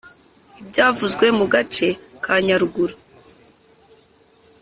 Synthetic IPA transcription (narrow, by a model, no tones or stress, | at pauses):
ibɟaːvuzɡwe̞muɡat͡ʃe̞kʰaɲaɾuɡuɾo